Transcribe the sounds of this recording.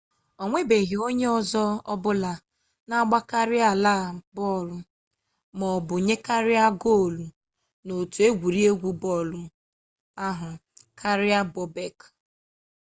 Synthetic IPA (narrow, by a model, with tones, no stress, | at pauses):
ɔ˨ŋʷe˦be˨ɦɪ˨o˦ɲe˦ɔ˦˨zɔ˦ɔ˦bʊ˦la˨ | na˦ɡ͡ba˦ka˦ɾɪ˦a˨la˦˨bɔ˦˨ɾʊ˨ | mɔ˨bʊ˨ɲe˦ka˦ɾɪ˦a˦ɡo˦˨lu˨ | no˨tu˨e˦ɡʷu˨ɾi˦e˦ɡʷu˨bɔ˦˨lʊ˨ | a˦ɦʊ˨kʰa˦ɾɪ˦a˦bɔ˦be˨k